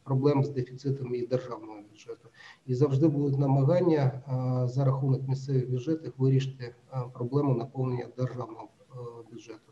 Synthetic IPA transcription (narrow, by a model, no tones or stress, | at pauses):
pɾɔblˠɛmzd̪efʲit̪sɪt̪ɐmid̪erʒɑwnɔɦɔbʲjʊdʒɛt̪ʊizɐwʐd̪ɪbud̪ʊt̪ʲnɐmɐɦɑnʲːɐzɐɾɐxunɐkmʲisʲt̪sɛʋɪɣbʲjʊdd͡ʒɛt̪ɪxʋɪɾʲiʃɪ̥t̪ɪ | pɾɔblˠɛmʊnɐpɔlˠnenʲːɐd̪erʒɑwnɔɦɔ | bʲjʊd̪ʐɛt̪ʊ̥